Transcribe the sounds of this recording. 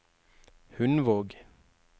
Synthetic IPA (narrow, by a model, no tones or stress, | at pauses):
hʉnʋoːɡ